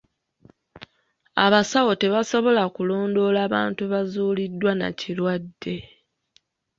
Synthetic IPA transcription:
a̰βasawo̞te̞βaso̞βo̞lakulo̞ːndo̞laːβaːntuβazuːlidːwana̰cilwadːe̞

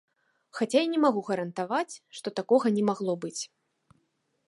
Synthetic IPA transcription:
xat͡sʲajanʲɛmaɣuɣɐɾɐnt̪avat͡sʲʂt̪ɔt̪akɔɣɐnʲɛmaɣlˠɔbɨt͡sʲ

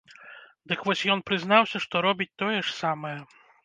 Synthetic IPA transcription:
d̪ɨkvɔsʲjɔn̪pɾɨzn̪awsʲɐʂt̪ɔɾɔbʲit͡s̚ʲt̪ɔjɛʂsamɐjɛ

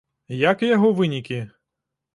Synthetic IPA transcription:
jakjɐɦɔʋɪnʲikʲi

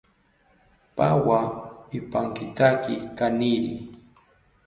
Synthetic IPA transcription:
pawaɪpaŋkɪt̪akɪkanɪɾɪ̰

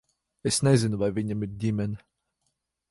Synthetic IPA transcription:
esnɛzʲɪnuvajvʲiɲʲamiɾdʲimʲɛnʲ

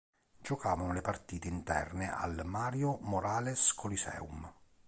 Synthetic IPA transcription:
d͡ʒɔkaːvanʊlepart̪iːt̪eint̪ɛ̰rnɪʔa̰lmaːɾjʊmɔɾaːlɛskʰɔlisɛ̰ːum

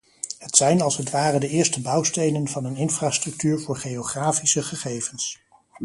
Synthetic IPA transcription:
ɦətsɛjnɑlˠsɦətʋaːrəndəɪːɹstəbɑwstejnənvɑnənɪnfraːstrɵk̚tyːɹvʊːɹχejoχraːfisəχəχejvəns

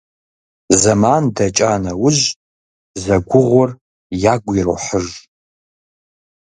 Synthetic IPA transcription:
zɐmandɐt͡ʃʼaːnɐwʊʑ | zɐɡʷʊʁʷʊr | jaɡʷir̰ħəʒ

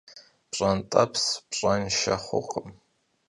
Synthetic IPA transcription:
b̥ɕʼantʼapʰsbʂʼanʃa̰χʷʊ̰qʰʼəm

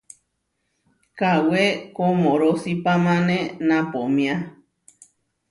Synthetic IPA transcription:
kawekomõɾosipamãnẽnãpomĩa

